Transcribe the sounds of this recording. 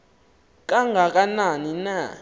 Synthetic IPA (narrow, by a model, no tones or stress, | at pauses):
k̬ʼaŋɡʱak̬ʼananina